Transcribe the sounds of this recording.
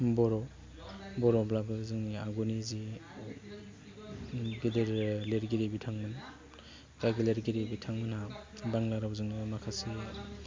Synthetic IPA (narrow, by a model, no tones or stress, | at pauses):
bɔɾɔ | bɔɾɔblabɯzɯŋniaɡonizi | ɡideɾleɾɡiɾibitʰaŋmɯn | kaɡileɾɡiɾibitʰaŋmɯnabaŋlaɾawzɯŋnɯmakʰasi